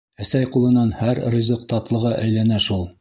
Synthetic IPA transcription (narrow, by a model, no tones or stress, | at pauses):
æsæjqulˠɤ̆nɑnhæɾrĭzɤqt̪ɑt̪lˠɤ̆ʁɤʔæjlænæʃulˠ